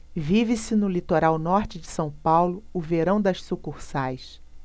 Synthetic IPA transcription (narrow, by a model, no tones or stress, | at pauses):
vivɪsɪnʊlit̪oɾawnɔɾt͡ʃɪd͡ʒɪsɐ̃w̃pawlʊːveɾɐ̃w̃d̪ɐʃsukuχsajs